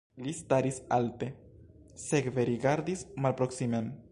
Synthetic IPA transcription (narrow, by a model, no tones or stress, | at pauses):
list̪aɾisalte̞ | sekveɾiɡaɾd̪ismalpɾo̞ksimem